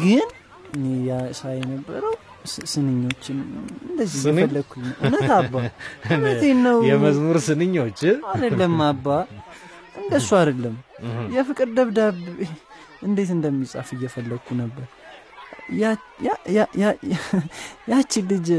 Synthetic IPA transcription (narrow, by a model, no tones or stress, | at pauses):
ɡɨn | ɨnejasajɛnəbːəɾəw | sɨnɨɲːo̞t͡ʃːɪnɨnd̪əzːijɛfəlːəɡkʰʷːunːəwʔunət̪abːanət̪enːəwjɛməzmuɾsɨnɨɲːot͡ʃːad̪əlːəmːabːa | ʔɨnd̪əsːuad̪əlːəmjɛfɨkʼɨɾd̪əβd̪aβ | ɨnd̪e̞t̪ɨnd̪əmːisʼa̰fɨjːɛfəlːəɡkʰʷːunəbːəɾ | jaja | jat͡ʃːɪlːɨd͡ʒ